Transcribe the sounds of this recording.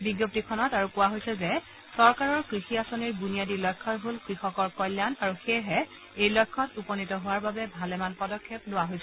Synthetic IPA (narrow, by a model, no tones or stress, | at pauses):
biɡjop̚tikʰɔnɔtaɹukʊwaɦojsɛzɛ | sɔɹkaɹɔɹkɹixiasɔniɹbunijadilɔjkʰːɔtɦolkɹixɔkɔɹkɔjlːjanaɹuxeɦɛ | ejlɔjkʰːɔtupɔnitɔɦʊwaɹbabɛbʱalɛmanpɔdɔkʰːep̚dʊwaɦojsɛ